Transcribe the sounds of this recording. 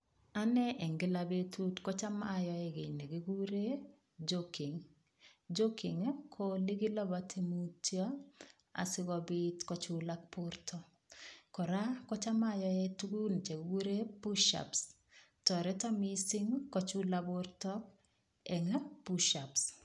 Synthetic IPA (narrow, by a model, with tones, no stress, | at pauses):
a˦nɛ˦ʔɛ˨ŋɡɪ˦la˨be˦tʰu˦tkɔ˦t͡ʃa˦majɔ˦ɛ˦ɡe˨ne˨ɡi˦ɡu˦ɾe˦ | d͡ʒoki˨ŋ | d͡ʒo˦ki˨ŋkʰo˦li˦ɡɪ˦lɔ˦ba˨tʰi˦mu˦tjɔ˦ | a̰˨sɪ˦kɔ˦bɪ˦tkɔ˦t͡ʃula˦kpʊ˦rtʰɔ˦ | kɔ˨ɾa˦kɔ˦t͡ʃa˦ma˦jɔ˦ɛ˦tu˦ɡu˦n˨t͡ʃe˨ɡu˦ɾe˦pu˦ʃa̰˨ps | tɔ˨ɾɛ˦tɔ˦mi˦si˦ŋkɔ˦t͡ʃu˦labʊ˦ɾtɔ˦k̚ | ɛ˨ŋ˦puʃa˨ps